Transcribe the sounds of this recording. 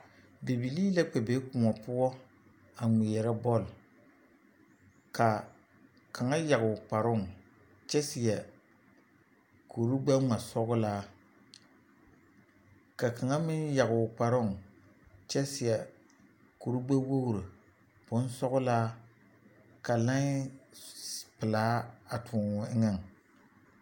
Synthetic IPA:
bi˨bi˨li˦la˦k͡pe˨be˨˦kʊ˨mɔ˨pʊ˦ɔ˦ | a˨ŋe˨jɛ˨ɾɛ˦bɔ˦˨l | ka˨ | kʰa˨ŋa˦ja˨ɡʊ˨k͡pa˨ɾʊ˦˨ŋ | t͡ʃɛ˦sɪ˨jɛ˨ | kʰo˨ɾu˦ɡ͡ba˦a˨sɔ˦ɡʊ˦laː˦ | ka˨ka˨ŋa˦mɪ˦nja˨ɡʊ˨k͡pa˨ɾʊ˦ŋ | t͡ʃɛ˦sɪ˨jɛ˨ | ku˨ɾu˦ɡ͡ba˦wo˦ɡɾɨ˨ | b̥ʊ˦n˦sɔ˦ɣʊ˦laː˦ | ka˨la˦ŋ˦ | pɨ˨laː˨˦a˨tʰʊ˨ŋ˨ɪ˦ŋɛ˦˨ŋ

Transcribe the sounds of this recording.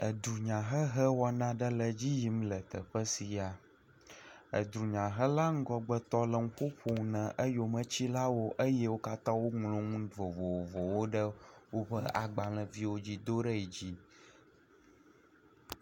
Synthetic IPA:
ə˨d̪ɾu˨ɲã˨ɦə˦ɦə˦wɔ˦nã˦ɖə˦lə˨d͡ʑi˦ji˨˦mlə˨t̪ə̰˨ɸə˦si˨a˨ | ə̰˨d̪ɾu˨ɲã˨ɦə˦la˦ŋ̩˦ɡɔ˨ɡ͡bə˦t̪ɔ˦lə˨ŋũ˦ɸo˦ɸo˨ŋ˨nɛ̃˨ʔə˦jo˨mə̃˦t͡ɕi˦la˦wo˦ʔə˦jɛ˦wo˦ka˦t̪ã˦wo˦ŋlõ˨ŋũ˦d̪vo˨vo˨wvɔ˨wo˦ɖə˦wo˦ɸə˦a˨ɡ͡ba˨lə̃˨vi˦wo˦d͡ʑi˦d̪o˦ɖə˦ɛ˨d͡ʑi˦

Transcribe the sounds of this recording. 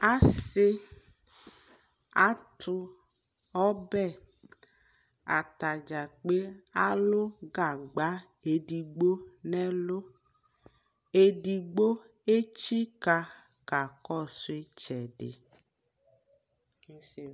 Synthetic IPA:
a˦sɪ˦ | a˦tʰʊ˦ | ɔ˦bɛ˦˨ | a̰˨ta˨d͡ʒa˨k͡pe˦a˦lʊ˦ɡa˨ɡ͡ba˦ | e˨di˨ɡ͡bo˦nɛ˦lʊ˦ | e˦di˨ɡ͡bo˦ | e˦t͡ʃi˦ka˨ | ka˨kɔ˦˨sʊ˦e˦t͡ʃɛ˨ɖɪ̰˨˦˨

